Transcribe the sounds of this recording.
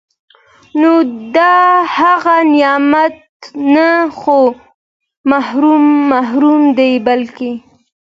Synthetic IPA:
nod̪ɑhaɣanɪjɑmat̪̚ | naxo | mahɾumːaɦɾumd̪ejbalke

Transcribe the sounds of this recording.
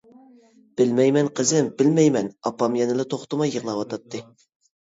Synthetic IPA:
b̥ɪlmɛjmɛnqʰəzɨmbɪlmɛjmɛnɑpːɑmjɛnɪlɨt̪ʰoχt̪ɨmɑjːəʁlˠɑwɑt̪ʰɑt̪ʰːɨ

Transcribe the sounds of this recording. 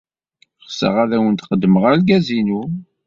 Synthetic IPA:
χsə̰ʁaðæwənt̪χəd̪ːəməʁaɾɡæzinu

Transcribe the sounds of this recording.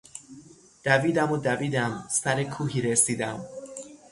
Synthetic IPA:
d̪̥æviːd̪æmod̪æviːd̪æmsæɾekʰuːɦiːɾesiːd̪æm

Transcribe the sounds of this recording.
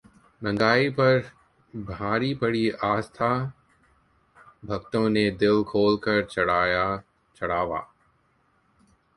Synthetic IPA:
nɐ̃ŋɡaːipɐɾ | bʱaːɾipəɽiaːst̪ʰaː | bʱɐkt̪õned̪ɪlkʰoːlkɐɾt͡ʃɐɽaːja | t͡ʃɐɽ̤aːʋa̰ː

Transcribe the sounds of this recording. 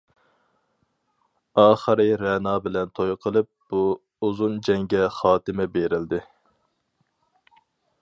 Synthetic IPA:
ɑːχəɾɨɾɛnɑːbɪlɛnt̪ʰojqʰəlˠɨp̚b̥u | uzund͡ʒɛŋɡʲɛχɑːt̪ɪmɛbeɾɪld̪ɪ

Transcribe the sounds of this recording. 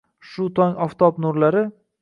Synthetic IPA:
ʃʊt̪ʰɒŋɒft̪ʰɒpnʊɾlaɾɪ

